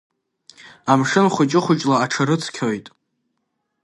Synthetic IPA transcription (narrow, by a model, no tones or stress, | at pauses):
amʂɨnχʷʊt͡ʃʼɪχʷʊt͡ʃʼlaːʈ͡ʂʰaɾɨt͡sʰkʲʰojtʼ